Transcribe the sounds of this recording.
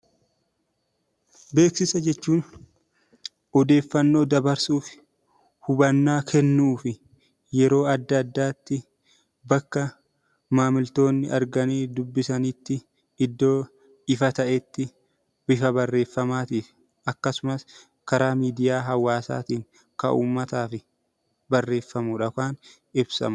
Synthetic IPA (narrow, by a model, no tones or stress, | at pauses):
be̞ːksɪsɐd͡ʒɛt͡ʃːuːn | ɔd̪e̞ːfːɐnːo̞ːd̪ɐbɐɾsuːfɪ̥ | hʊbɐnːaːkʰɛnːuːfɪ | jɛɾo̞ːɐd̪ːɐd̪ːaːt̪ːɪ | bɐkːɐ | maːmɪlt̪o̞ːnːɪʔɐɾɡɐniːd̪ʊbːɪsɐnit̪ːɪ | ɪd̪ːo̞ː | ɪfɐt̪ɐʔɛt̪ːɪ | bɪfɐbɐrːe̞ːfːɐmaːt̪iːf | ʔɐkːɐsʊmɐs | kɐɾaːmiːd̪ɪjaːɦɐwːaːsa̰ːt̪iːŋ | kɐ̰ʔṵːmːɐt̪aːfɪ | bɐrːe̞ːfːɐmʊᶑɐkaːn | ɪbsɐ̰mɐ